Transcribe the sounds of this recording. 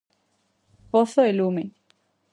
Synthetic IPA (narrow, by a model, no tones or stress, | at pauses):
poθoelume